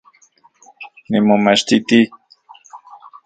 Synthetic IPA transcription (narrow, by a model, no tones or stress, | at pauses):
nimomaʃt̪it̪i